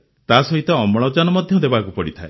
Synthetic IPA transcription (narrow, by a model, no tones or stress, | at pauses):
t̪asɔɦit̪ɔːmɔɭ̃ɔd͡ʒanɔmɔd̪ʱjɔd̪ebakupɔɽit̪ʰae